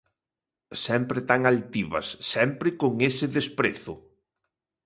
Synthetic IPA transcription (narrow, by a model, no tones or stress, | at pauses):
sɛmpɾɪt̪aŋalt̪iβɐ̰sːɛmpɾɪkoŋesɪðespɾeθʊ